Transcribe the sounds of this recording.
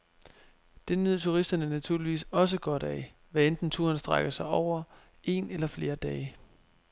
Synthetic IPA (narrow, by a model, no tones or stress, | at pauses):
d̥e̝nyð̰ˠt͡sʰuʁisd̥ɐnəænæt͡sʰuɐ̰liʋḭːsɒ̽s̬əɡ̥ɒ̽ɾ̥æ | ʋæend̥n̩t͡sʰuɐnsd̥ʁaɡ̥ɐsɑ̈ɪɒʊ̰ɐ | e̝̰ːnelɐfle̝ːɐd̥ɛːɪ